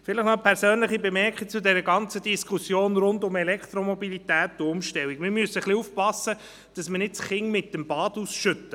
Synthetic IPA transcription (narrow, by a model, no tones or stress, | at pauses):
fɪləχnɔpʰɛɾsøːnləχibemɛɾkχik̚t͡sʊdɛɾəɡɑnt͡sədiskʰusjoːnɾʊndʊmɛlɛkχt̪ɾomɔbilit̪æːtːʊʊmʃtɛlwikmɪɾmyəsəχliuːfpɑsːə | d̥ɑsmənɪtsχɪŋmɪtːəmbɑːd̥usʃʏtːə